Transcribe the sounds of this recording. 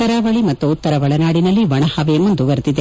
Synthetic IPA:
ɐɾaʋɐɭimɐt̪ːuːt̪ːɐɾɐʋɐɭɐnaːɽinɐlːiʋɐɳɐhɐʋɐjɐmːund̪uʋɐɾd̪id̪e

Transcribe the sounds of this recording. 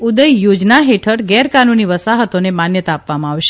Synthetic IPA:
ud̪əjjod͡ʒnaɦeʈʰəɽɡɛɾkanuniʋəsaɦət̪onemanjət̪aːpʋamãaʋʃe

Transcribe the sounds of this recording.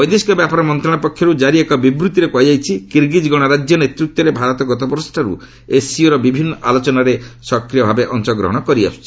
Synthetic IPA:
bɔjd̪iskɔbjapaɾɔmɔnt̪ɾɔ̃ɔpɔkʰːjɔɾud͡ʒaɾiekɔbibɾut̪iɾekuajd͡ʒajt͡ʃʰikiɾɡid͡ʒɡɔɽ̃ɔɾad͡ʒjɔnet̪ɾuk̚t̪ːɔɾebʱaɾɔt̪ɔɡɔt̪ɔbɔɾɔsʈʰaɾṵ | esiuɾɔbibʱinːɔʔa̰lɔt͡ʃɔnaɾesɔkɾijɔbʱabeʔɔnt͡ʃɔɡɾɔ̰ɦɔɽ̃ɔkɔɾia̰st͡ʃʰi̥

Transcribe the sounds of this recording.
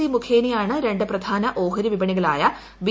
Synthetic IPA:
imukʰeːnijaːɳɨɾe̞ɳɖɨprɐd̪ʱaːnɐʔoːɦɐɾiʋibɐɳiɣɐɭaːjɐ | ʋi

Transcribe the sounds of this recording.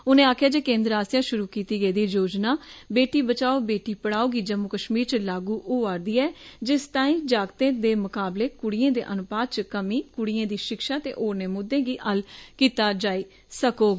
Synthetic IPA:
ʊnẽːaːkʰjaːd͡ʒeːkẽːnd̪ɾaːsjãːʃʊɾuːkiːt̪iːɡəiːd̪iːd͡ʒoːd͡ʒnaːbeːʈiːbət͡ʃaːoːbeːʈiːpəɽ̃aːoːɡiːd͡ʒəmʊkəʃmiːɾt͡ʃəlaːɡuːʔoːaːɾd̪iːɛːd͡ʒɪst̪aːĩːd͡ʒaːɡt̪ẽːd̪eːmʊkaːbleːkʊɽiːẽːd̪ḛːʔənʊpaːd̪t͡ʃkəmiːkʊɽiẽːd̪iːʃɪkʃaːt̪ḛːʔoːɾneːmʊd̪ːẽːɡiːʔəlkiːt̪aːd͡ʒaːiː | səkoːɡ

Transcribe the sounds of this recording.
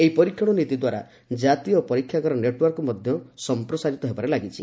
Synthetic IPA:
eɦipɔɾikʰjɔɽ̃ɔnit̪id̪waɾa̰ | d͡ʒat̪iɔpɔɾikʰːjaɡɔɾɔneʈwɔɾkɔmɔd̪ʱjɔsɔmpɾɔsaɾit̪ɔɦebaɾelaɡit͡ʃʰi

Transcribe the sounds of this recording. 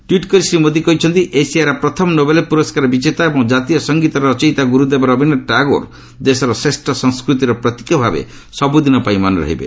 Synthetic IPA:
ʈwiʈkɔɾisɾimod̪ikɔɦit͡ʃʰɔnt̪iʔesijaɾapɾɔt̪ʰɔmɔnobelepuɾɔskaɾɔbit͡ʃet̪aebɔŋd͡ʒat̪ijɔsɔŋɡit̪ɔɾt͡ʃɔjt̪aɡuɾud̪ebaɾɔbʱinɔʈaɡo̰ɾ | d̪esɔɾɔsesʈɔsɔŋskɾut̪iɾɔpɾɔt̪i̥kɔbʱabḛ | sɔbud̪inɔpajmanɔɾɔ̰ɦḭbḛ

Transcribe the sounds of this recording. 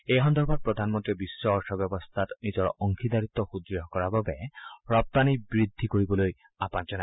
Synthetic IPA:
ejɦɔnd̪ʱɔɹbat̚pɹɔd̪ʱanmɔnt̪iɔbisːɔɦɔʃɔbjɔbɔst̪ʰatnizɔɹɔŋkʰid̪aɹit̪ːɔxud̪ɾɔɦɔkɔɹababɛɹɔp̚t̪anibɹid̪ʱːikoɹibɔloj | apand͡ʒɔna

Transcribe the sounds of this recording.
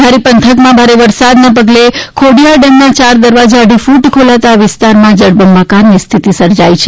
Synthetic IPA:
aɾipənt̪ʰəkmãbʱaɾeʋəɾsad̪nap̬əɡlekʰoɽijaɖemnat͡ʃaɾd̪əɾʋad͡ʒaəɖʱifuʈkʰolat̪aʋɪst̪aɾmãd͡ʒəɽbəmbakaɾnist̪ʰit̪isəɾd͡ʒajit͡ʃʰe

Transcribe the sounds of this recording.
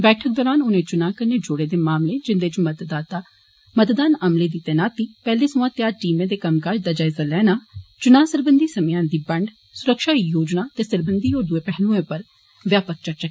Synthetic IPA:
bɛːʈʰək̚d̪ɔːɾaːnʊnẽːt͡ʃʊnãːkəɾneːd͡ʒʊɽeːd̪eːmaːmlẽːd͡ʒɪnd̪eːt͡ʃmət̪d̪aːt̪aː | mət̪d̪aːnəmleːd̪iːt̪eːnaːt̪iːpɛːleːsʊʋãːt̪ɪjaːʈiːmẽːd̪eːkəmkaːd͡ʒd̪aːd͡ʒaːɪzaːlɛːnaːt͡ʃʊnaːsəɾbənd̪iːsəmjãːnd̪iːbəɳɖ | sʊɾəkʃaːijoːd͡ʒnaːt̪eːsəɾbənd̪iːɔːɾd̪ʊeːpɛɦlũẽːpəɾ | ʋjaːpək̚t͡ʃət͡ʃəkː

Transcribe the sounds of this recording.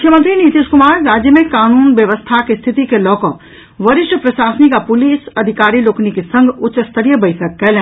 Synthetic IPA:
mʊkʰjəmə̃nt̪ɾiniːt̪iːʃkʊmaːɾːaːd͡ʒjəmẽkaːnuːnʋjəʋəst̪ʰakest̪ʰɪt̪ikelɔːkɔːk | ʋɐɾɪʃʈʰəpɾɐʃaːsnikapʊliːsɐd̪ʱɪkaːɾiloːknikesə̃ŋɡʱʊtːʃəst̪ʰəɾijəbəɪtʰək̚ːɛlẽː

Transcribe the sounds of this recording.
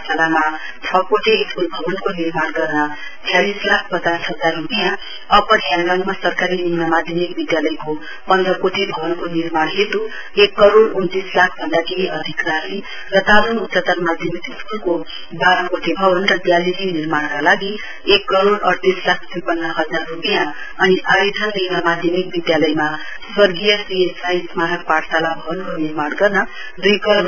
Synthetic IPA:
salama | t͡sʰʌkoʈʰeeskulbʱʌbʌnkonirmaɽɡʌrnʌ | t̪jalislak̚ʰbʌd͡zarsʰʌd͡zaɾɦud̪jã | ʌpʌɾɦjãŋɾaŋmasʌrkaɾinimnʌmad̪ʱjʌmik̚bid̪jalʌjko | pʌnd̪ɾʌkoʈʰebʱʌbʌnkonirmaɽɦet̪u | ekːʌɾoɽunt̪islakʰbʱʌnd̪akeɦiʔʌd̪ʱikrali | rʌt̪alunut̪sat̪ʌrmad̪ʱjʌmik̪isunko | baɾʌkoʈʰibʱʌbʌnrʌd̪jaliɾiniɾmaɽkalaɡi | ekːʌɾoɽʌɽt̪islakʰd̪ujpʌnːʌɦʌd͡zarːupəjã | ʌniʔaɾed̪ʰʱʌnninamad̪ʱjʌmikbid̪jalʌjma | swʌrɡijʌsiesajsmaɾʌk̚paʈsalabʱʌbʌnkoniɾmaɽɡʌrnʌ | d̪ujkʌɾn

